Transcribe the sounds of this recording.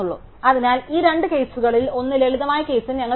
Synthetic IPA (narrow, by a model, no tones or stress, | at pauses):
uɭːṵː | ɐðinaːliːɾe̞ɳɖɨke̞ːsuɣɐɭilo̞nːɨleɭiðɐmaːjɐke̞ːsɐnɲʲɐŋːɐ